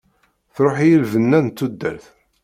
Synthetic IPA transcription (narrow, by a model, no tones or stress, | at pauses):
θɾˤoħjilvənːænt̪ːud̪ːæ̰ɾθ